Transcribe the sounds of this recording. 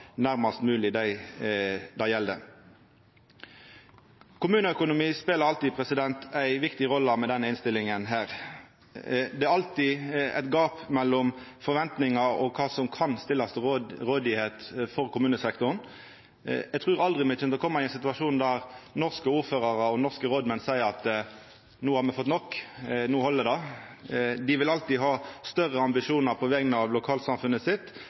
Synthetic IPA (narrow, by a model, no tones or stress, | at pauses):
næʁmɑst̪mʉːlɪd̪æɪ | d̪ɑjɛld̪ə̰ | kʰʊmʉːnəœkʊnʊmiːspeːləɾɑlt̪iːpʰɾɛsɪd̪ɛnt̪ʰæɪʋɪkt̪ɪʁɔlːəmɛd̪ɛnːəɪnst̪ɪlːɪŋənɦæːɾ | d̪ɛæɾɑlt̪ɪɛ̰t̪ɡɑːpmɛlːɔmfɔʋɛnt̪nɪŋɑɔ̰kʰɑːsɔmkʰɑnst̪ɪlːɑst̪ʁoːd̪ɪheːt̪fɔʁkʰʊmʉːnəsɛkt̪ʊɾn | ɛɡt̪ʰʁʉːʁɑld̪ʁɪmɛt͡ʃʰɛnɔkʰɔmːɑɪɛnsɪt̪ʉɑʂuːnd̪æʁnɔʁskəuːɾføːʁɑʁəɔnɔʁskəɾoːd̪mɛnsæɪəɾʁɑt̪ | nuːhɑʁmɛfɔt̪ːnɔkːnuːhɔlːəd̪ɑ | d̪ɪʋɪlɑlt̪ɪɦɑːst̪œʁəɑmbɪʃuːnɑʁpʰɔʋɛɡənəɑʋlʊkʰɑːlsɑmfʉnəsɪt̪ː